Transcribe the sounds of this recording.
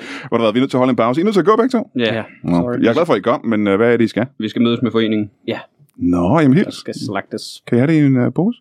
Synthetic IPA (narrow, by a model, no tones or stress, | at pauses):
ʋɑɾɑʋæðˠʋinøðˠʰe̝ɐɦɒləenpʰäʊsəinøð̰ˠt͡sʰeɐɡ̥o̰ːb̥æɡ̥̚t͡sʰo̰jɔɑɪɐɡ̥læðˠfɒiɡ̥ɒm̰menʋææɐɾeisɡ̥æʋisɡ̥æmøːð̞ˠəsmefɒ̽e̝̰ːne̝ŋn̩jæ | nɒjæmn̩ḛlslaɡ̥d̥əskʰæihæɾeiinb̥oːsə̥